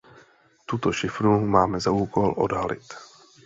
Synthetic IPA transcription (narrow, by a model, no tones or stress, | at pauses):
t̪ut̪oʃɪfɾumaːmɛzauːko̞lʔo̰dɦalɪ̰t̪